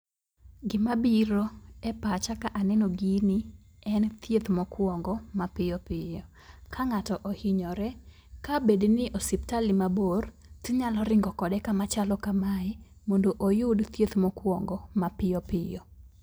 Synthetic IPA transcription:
ɡɪmabiɾoɛpat͡ʃakaʔanɛnoɡinɪ | ɛnt̪jet̪mɔkwɔŋɡɔmapɪɔpɪjɔ | kʰaŋatɔʔɔhɪɲɔɾɛ | kabednɪʔosip̚talimabor | t̪iɲalɔɾɪŋɡɔkɔdɛkamat͡ʃalɔkamaɪ | mondoʔojʊdt̪jet̪mɔkwɔŋɡɔmapɪjɔpɪjɔ

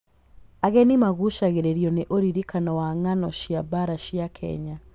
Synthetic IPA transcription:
aɣɛnimaɣuʃaɣeɾeɾijɔneʔoɾiɾikanɔwaŋanɔɕjabaɾaʃjakʰɛ̰ɲa

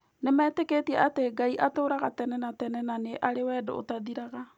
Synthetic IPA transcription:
nemɛːteketiɛateɡaiʔatoːɾaɣatɛnɛnatɛnɛnaneʔaɾewɛdo̰o̰taðiɾaɣa

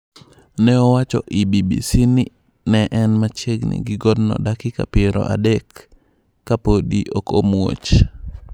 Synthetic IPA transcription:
nɛɔwat͡ʃɔ̰ʔibibḭsini | nɛʔɛnmat͡ʃeɡnḭɡɪɡɔdnɔ̰dakɪka̰pɪɾɔ̰ʔa̰dɛkː | apodiʔokomwo̰t͡ʃ

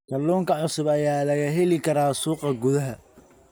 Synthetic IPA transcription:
kʰɐlːuːŋkʰɐʕʊsʊbɐjaːlɐɣɐɦɛlɪkʰɐɾaːsuːqɐɡʊðɐɦɐ

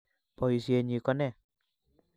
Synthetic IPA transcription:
pɔisieɲikɔnɛ

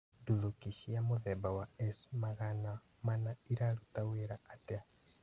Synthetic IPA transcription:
duðukiʃiamoðɛbawaɛsmaɣana | manaiɾaɾutaweɾaatea

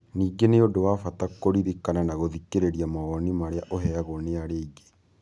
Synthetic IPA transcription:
niːɡeneodowafatakoɾiɾikananaɣoðikeɾeɾiamaɣɔnimaɾeaʔoɦɛaɣoneaɾeiɡe̥

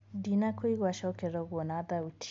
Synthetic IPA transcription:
dinakʰoiɣwaʃɔkɛɾɔɡwɔnadautʰ

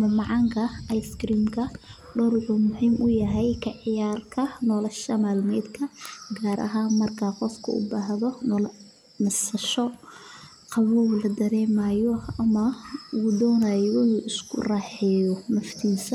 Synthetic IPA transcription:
mɐmɑʕɑŋkʰɐʔɑjskɾiːmkʰɐ | ɖɔɾʔuːmʊhiːmʔʊjɐɦɛjkʰɐʕɪjaːrkʰɐnɔːlɐʃɐmaːlmɛːd̪kʰɐɡaːɾɐ̰ɦanmɐrkʰaqɔfkʰɐ̰ʊ̰baːɦðɔnl | nɐsɐʃɔ | qɑβɔwlɐd̪ɐɾɛːmaːjɔɐmɐuːd̪ɔːnaːjɔnuːʔɪskʰʊ̰rɑːħɛjɔmɐft̪ʰiːsɐ

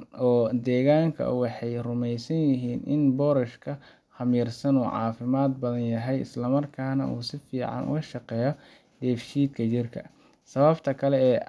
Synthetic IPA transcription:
ʔɔːd̪ɛːɣaːŋkʰɐ̰wɑħɑjrʊmɛjsɐnjɪɦiːnʔɪ̰nbɔːɾɐʃkʰɐ | hɐmiːrsɐnuːʕɑ̰ːfɪmaːd̪̚bɐðɐnjɐɦɛjɪ̰slɐmɐrkʰaːnɐ̰ʔṵːsɪfiːʕɑ̰nʊ̰ɣɐʃɑqɛːjɔ | d̪ɛːfʃiːd̪kʰɐt͡ʃɪrkʰɐ̰ | sɐβɐbt̪ʰɐkʰɐlɛɛː

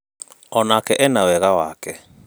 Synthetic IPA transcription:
ɔnakɛʔɛnawɛɣawakɛ

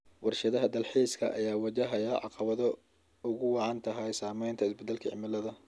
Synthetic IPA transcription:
wɑrʃɐðɐɦɐd̪ɐlħiːskʰɐʔɐ̰jaːwɐt͡ʃɐɦɐjɐʕɑ̰qɑβɐðɔ | ʊɣʊwɑʕɑnt̪ʰɐɦɐjsaːmɛjnt̪ʰɐɪsbɛd̪ːɛlkʰɐʕɪ̰mɪlɐðɐ

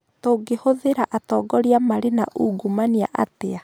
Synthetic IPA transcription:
toːɡehoðeɾaʔatɔːɡɔɾiamaɾena̰ʔuɡumania̰ʔa̰tea

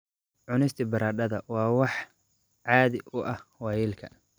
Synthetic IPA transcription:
ʕʊnɪst̪ʰibɐɾaːɖɐðɐwɑːwɑħ | ʕɑːðɪʔʊʔɐhwɑːjɪlkʰɐ̰

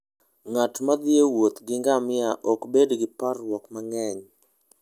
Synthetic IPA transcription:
ŋatmad̪jewot̪ɡɪŋɡamɪaʔɔkbedɡɪparwɔkmaŋɛɲ

